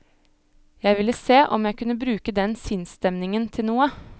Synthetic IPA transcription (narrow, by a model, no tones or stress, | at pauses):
jæɪʋɪlːəseːʔɔmjæɪkʉnːəbɾʉːkəd̪ɛnsɪnst̪ɛmnɪŋənt̪ʰɪlnuːə